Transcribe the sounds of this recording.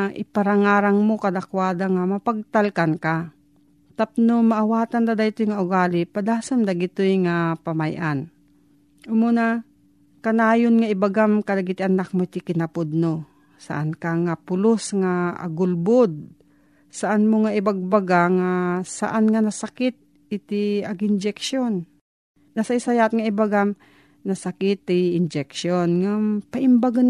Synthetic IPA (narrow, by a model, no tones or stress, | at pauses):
ʔɪpaɾaŋaːɾaŋmokad̪akwaːd̪aŋamapaɡ̚t̪alkanka | t̪ap̚nomaʔawaːt̪and̪ad̪ajt̪ʊjŋaʔʊɡaːlɪpad̪aːsamd̪aɡɪt̪ʊjŋapamajʔan | ʔʊmona | kanaːjonŋaɪbaɡamkad̪aɡɪt̪ɪʔanak̚mot̪ɪkɪnapʊd̪̚no | sa̰ʔankaŋapʊlosŋa̰ːɡʊlbod̪̚ | saʔanmoŋaʔɪbaɡ̚baɡaŋasa̰ʔanŋanasakɪt̪̚ | ɪt̪iaɡɪnd͡ʒɛkʃonː | asaisajat̪̚ŋaɪbaɡam | nasakɪt̪ːɪɪnd͡ʒɛkʃonŋapaʔɪmbaɡan